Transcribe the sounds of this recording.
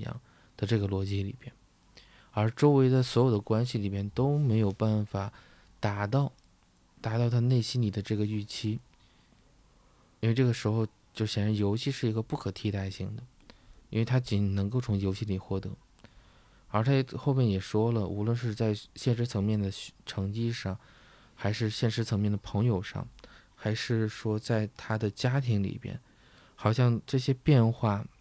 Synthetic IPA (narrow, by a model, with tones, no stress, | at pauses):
jɑ̰˥˩ŋ | d̪̥ə˧ʈ͡ʂɤ˥˩ɡə˩lwɔ˧˥t͡ɕi˥lḭ˨˩mjɛ˥˩n | ə˞˧˥ʈ͡ʂo˥ʊwe˧˥ɪt͡sa˥˩ɪswɔ˧˥jo˨˩d̪ə˦˥kwa˥nɕi˨li˨˩mjɛ˥˩nt̪o˥ʊme˧˥ɪjo˨˩ʊpa˥˩nfa˨˩˦ | t̪a˨˩t̪ɑ˥˩ʊ | t̪a˧˥t̪ɑ˥˧ʊt̪ʰa˥˧ne˥˩ɪɕi˥nli˨˩d̪ə˦ʈ͡ʂɤ˥˩ɡə˩y˥˩t͡ɕʰi˥ | i˥nwe˥˧ɪʈ͡ʂɤ˥˩ɡə˩ʂɻ̩˧˥xo˧ʊ | t͡ɕjo˥˧˩ʊɕjɛ˨˩nɻa˧˥njo˧˥ʊt͡ɕʰi˥˧ʂɻ̩˥˩i˧˥ɡə˧pu˥˩kʰɤ˨˩t̪ʰi˥t̪a˥˧ɪɕi˥˩ŋd̪ə˩ | i˥nwe˥˧ɪt̪ʰa˥t͡ɕi˨˩nnɤ˧˥ŋko˥˩ʊt͡sʰʊ˧˥ŋjo˧˥t͡ɕʰi˥˩ni˨˩xwɔ˥˩t̪ɤ˧˥˧ | t̪ʰa˥xo˥˧ʊmjɛ˥˩njɛ˨˩ʂwɔ˥lə˨ʔṵ˧˥lwə˥˧nʂ̬ɻ̩˥˧t͡sa˥˧ɪɕjɛ˥˩nʂɻ̩˧˥t͡sʰɤ˧˥ŋmjɛ˥˩nd̪ə˩ʈ͡ʂʰɤ˧˥ŋt͡ɕi˥ʂɑ˥˩ŋ | xa˧˥ɪʂɻ̩˥˧ɕjɛ˥˩nʂɻ̩˧˥t͡sʰɤ˧˥ŋmjɛ˥˩nd̪ə˩pʰɤ˧˥ŋjo˨˧ʊʂɑ̰˥˩ŋ | xa˧˥ɪʂɻ̩˥˩ʂwɔ˥t͡sa˥˩ɪt̪ʰa˥d̪ə˨t͡ɕja˥t̪ʰi˧˥ŋlḭ˨˩pjɛ̰˥n | xɑ˨˩ʊɕjɑ˥˧ŋʈ͡ʂɤ˥˩ɕjɛ˥pjɛ˥˧nxwa˥˩